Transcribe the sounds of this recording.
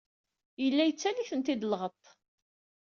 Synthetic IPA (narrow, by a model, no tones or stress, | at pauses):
jəlːæjət͡sːæliçənt̪ɪd̪lʁət̪ˤː